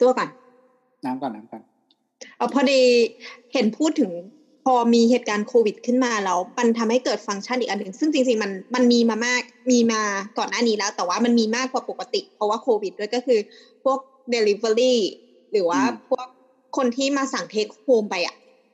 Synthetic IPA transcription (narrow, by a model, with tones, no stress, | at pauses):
t̪u˧˩ɐka˨˩n | naː˦˥mkɔ˨˩nːa˦˥mkɔ˨˩n | ʔaː˨˩pʰɔː˧diː˧he˨˩˦npʰuː˥˩t̪ʰːɯ˨˩˦ŋ | pʰɔː˧miː˧heː˨˩t̪̚kaː˧nkʰoː˧wi˨˩t̪̚kʰɯ˥˩nmaː˧lɛː˦˥wma˧nt̪ʰa˧mha˥˩jkɤː˨˩t̪̚fa˧ŋt͡ɕʰa˥˩nʔiː˨kʔa˧nɯ˨˩˦ŋsɯ˥˩ŋt͡ɕi˧ŋt͡ɕi˧ŋma˧nma˧nmiː˧maː˧maː˥˩k̚miː˧maː˧t̪ɔː˨˩nːaː˥˩niː˦˥lɛː˦˥wt̪ɛː˨˩waː˥˩ma˧nmiː˧maː˥˩kːwaː˨˩po˨˩kːa˧t̪ḭ˨˩pʰɔ˧˥waː˥˩kʰoː˧wi˨˩t̪̚du˥ə˨jkɔː˥˩kʰɯː˧ | pʰu˥˩ək̚ | de˧li˧˥be˧ɾiː˥˩ | lɯː˩˦waː˥˩pʰu˥˩ək̚ʰː | o˧nt̪ʰiː˥˩maː˧sa˨˩˦ŋt̪ʰeː˦˥k̚hoː˧mpa˧jʔa̰˨˩ʔ